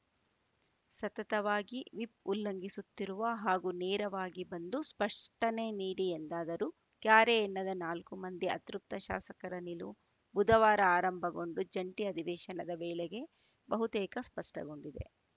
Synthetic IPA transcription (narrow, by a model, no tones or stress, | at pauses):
sɐt̪ɐt̪ɐʋaːɡiʋipulːɐŋɡisut̪ːiɾuʋɐɦaːɡunɛːɾɐʋaːɡibɐnd̪uspɐʂʈɐneniːɽiend̪aːd̪ɐɾu | kjaːɾeːnːɐd̪ɐnaːlkumɐnd̪iɐ̰t̪ɾup̚t̪ɐʃa̰ːsɐkɐɾɐnilṵ | bud̪ɐʋaːɾɐaːɾɐmbʱɐɡo̞ɳɖud͡ʒɐɳʈiɐd̪ʱiʋɛːʃɐnɐd̪ɐʋɛːleɡe̞ | bɐɦut̪ɛːkɐspɐʂʈɐ̰ɡo̞ɳɖid̪e̞̰